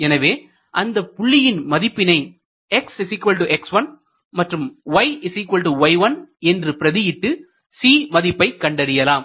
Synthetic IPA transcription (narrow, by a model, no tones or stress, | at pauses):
ɛnɐʋeː | ʔɐnd̪ɐpʊɭːɪjɪnmɐðɪpːɪnɐɪ | ɛksɪsɪkːʋɐlʈuʔɛksʋɐn | mɐʈrɯmʋɐɪɪsɪkʋɐlʈuʋɐɪʋɐnɛndrɯpɪɾɐðɪjɪʈːɯ | siːmɐðɪpːɐɪkːɐɳɖɐɾɪjɐlaːm